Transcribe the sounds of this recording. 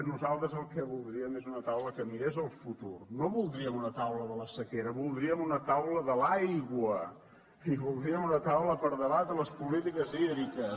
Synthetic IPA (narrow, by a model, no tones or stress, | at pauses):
nuzalˠt̪ɾəzəlˠkɛβulˠd̪ɾiəmezunət̪awləkəmiɾezəlˠfut̪urnoβulˠd̪ɾiəmunət̪awləðələsəkeɾəβulˠd̪ɾiəmunət̪awləðəlajɣwə | iβulˠd̪ɾiəmunət̪awləpəɾðəβat̪ələspulit̪ikəziðɾikə